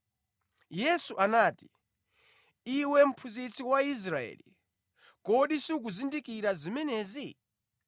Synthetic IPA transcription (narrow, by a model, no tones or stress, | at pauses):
jɛsuʔanaːti̥ | iwɛm̩pʰuzit͡sʰiwais̬ɾaɛ̰ːlḭ | kɔɗisuk̬uzindikiɾazimɛnɛːzi